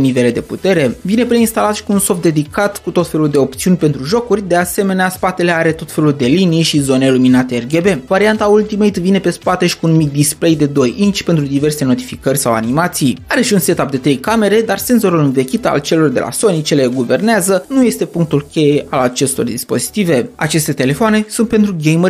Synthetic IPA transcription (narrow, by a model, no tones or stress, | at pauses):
nive̞led̪e̞put̪e̞ɾe̞vine̞pɾeinst̪alat̪ʃi̥kuunso̞fd̪e̞d̪ikat̪kut̪o̞t̪fe̞luld̪e̞o̞pt̪siunʲpe̞nt̪ɾuʒo̞kurʲd̪e̞ase̞me̞neaspat̪e̞le̞aɾe̞t̪o̞t̪fe̞luld̪e̞linijʃizo̞neiluminat̪eːrɡe̞be̞vaɾiant̪ault̪imejt̪vine̞pe̞spat̪e̞ʃi̥kunumik̚d̪isple̞jd̪e̞d̪o̞jint͡ʃpe̞nt̪ɾud̪ive̞rse̞not̪i̥fikərʲsawa̰nimat̪sijaɾe̞ʃiunse̞t̪ap̚d̪e̞t̪ɾe̞jkame̞ɾe̞d̪arse̞nzo̞ɾulɨnve̞kʲit̪a̰lt͡ʃe̞lo̞rd̪e̞lʔa̰so̞nit͡ʃele̞ɡuve̞rneazənuje̞st̪epuŋk̚t̪ulkʲe̞je̞ʔalat͡ʃe̞st̪o̞̰rd̪ispo̞̰zi̥t̪ive̞a̰t͡ʃe̞st̪e̞t̪e̞le̞foane̞sunt̪pe̞nt̪ɾuɡejmərʲ